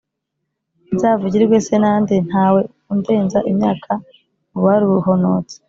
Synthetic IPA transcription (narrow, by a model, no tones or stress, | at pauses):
nzaːvuɟiɾɾɡwe̞se̞naːnden̥haːwe̞ | unde̞ːnzaʔimɲaːkʰa | uβaɾuuɦonot͡se̥